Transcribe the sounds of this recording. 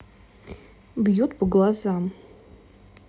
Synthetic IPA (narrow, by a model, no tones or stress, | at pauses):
bjutʰbɡlazam